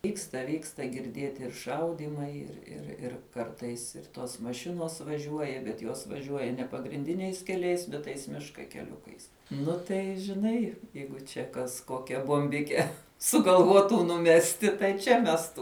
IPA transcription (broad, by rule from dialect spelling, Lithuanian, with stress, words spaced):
ˈʋʲiːkstɐ ˈʋʲiːkstɐ ɡʲɪrʲˈdʲiɛtʲɪ ɪr ˈʃɐʊdʲiːmɐɪ ɪr ɪr ɪr ˈkɐrtɐɪs ɪr ˈtoːs mɐˈʃʲɪnoːs ʋɐˈʒʲuɔjɛ bʲɛt ˈjoːs ʋɐˈʒʲuɔjɛ nʲɛ pɐɡrʲɪnʲˈdʲɪnʲɛɪs kʲɛˈlʲɛɪs bʲɛt ˈtɐɪs ˈmʲɪʃkɐ kʲɛˈlʲʊkɐɪs ˈnʊ tɐɪ ʒʲɪˈnɐɪ ˈjɛɪɡʊ t͡ʃʲɛ kɐs ˈkoːkʲɛ boːmʲˈbʲɪkʲɛ sʊɡɐlˠˈʋuɔtʊ nʊˈmʲæːsʲtʲɪ tɐɪ ˈt͡ʃʲɛ ˈmʲæːstuː